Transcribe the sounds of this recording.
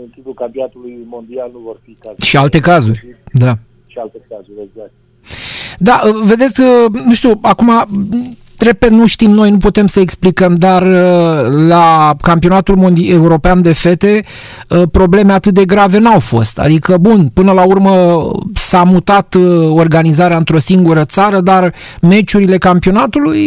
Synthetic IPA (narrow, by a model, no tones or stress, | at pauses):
ɨnk̪ipukampinat̪ulujmo̞nd̪ialnuvorfikaʃialt̪e̞kazurʲd̪a | ʃialt̪ekazuɾʲeɡzak̚t̪ | d̪aʔəve̞d̪e̞t̪sʲkənuʃt̪iuakuma | ɾe̞ped̪nuʃt̪imno̞jnuput̪e̞msəeksplikəmd̪arəlakampio̞nat̪ulmond̪euɾo̞peand̪e̞fe̞t̪e̞ | əpɾo̞ble̞me̞at̪ɨt̪̚d̪e̞ɡɾave̞nawfo̞̰st̪a̰d̪ikəbunpɨnəlaurməsamut̪at̪o̞rɡanizaɾeaɨnt̪ɾo̞siŋɡuɾət̪saɾəd̪ar | me̞t͡ʃuɾile̞kampio̞nat̪uluj